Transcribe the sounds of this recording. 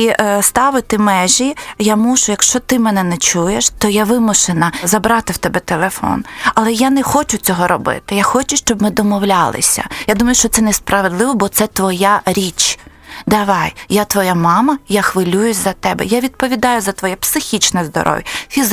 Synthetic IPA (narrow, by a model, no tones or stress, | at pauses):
ist̪ɑʋɪt̪ɪmɛʒʲijamuʒʊjɐkʃt͡ʃɔt̪ɪmɛnɛnɛt͡ʃujeʃt̪ɔjaʋɪmʊʃenɐzɐbɾɑt̪ɪwt̪ɛbɛt̪elˠefɔ̰nɐlˠɛjanɛxɔt͡ʃʊt͡sʲɔɦɔɾɔbɪ̰t̪ɪjaxɔt͡ʃʊʃt͡ʃɔbmɪd̪ɔmɔwlʲalˠɪ̰sʲɐ̰jad̪umɐjʊʃt͡ʃɔt̪sɛnɛspɾɐʋed̪lˠɪʋɔbɔt̪sɛt̪ʋɔjaɾʲit͡ʃ | d̪ɐʋɑjjat̪ʋɔjamɑmɐjaxʋɪlʲujʊsʲzɐt̪ɛbɛ̰jaʋʲid̪̚pɔʋʲid̪ɑjʊzɐt̪ʋɔjɛpsɪxʲit͡ʃnɛzd̪ɔ̰ɾʔɔ̰ʋʲjɐfʲiz